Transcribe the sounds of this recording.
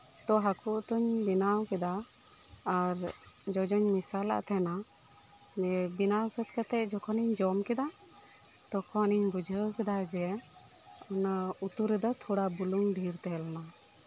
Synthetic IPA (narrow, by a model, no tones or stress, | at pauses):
t̪ɔɦakʰuʔt̪ɔɲbinawkɛd̪aː | ɾd͡ʒɔd͡ʒɔɲmisala̰ʔt̪ʰɛna | ɛbinawsət̪kat̪ɛʔ̚d͡ʒɔkʰɔniɲd͡ʒɔmkɛd̪a | t̪ɔkʰɔaniɲbud͡ʒʱəkɛd̪ad͡ʒɛ | ɔnaut̪uɾɛd̪ɔt̪ʰɔɽabuluŋɖʱiɾt̪ɛlɔna